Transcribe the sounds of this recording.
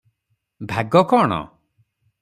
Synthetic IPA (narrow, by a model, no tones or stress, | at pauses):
bʱaɡɔkɔːɳ̃ɔ̰